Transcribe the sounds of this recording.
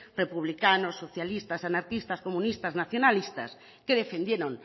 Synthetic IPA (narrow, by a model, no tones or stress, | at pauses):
repuβ̞likanosːoθjalist̪asanaɾkist̪askomũnist̪aznaθjonalist̪a̰s | keðefend̪jeɾõŋ